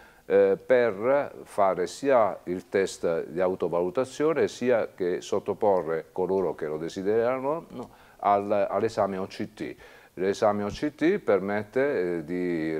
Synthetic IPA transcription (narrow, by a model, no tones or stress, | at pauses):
pɛrfaːɾesiːailt̪ɛst̪d̪iawt̪ovalut̪at̪sːjoːnesiːakesot̪ːopɔrːekoloːɾok̟elod̪esid̪ɛɾanono | alalːesaːmeɔt͡ʃːit̪ːḭ | lesaːmeɔt͡ʃːit̪ːipermɛt̪ːed̪i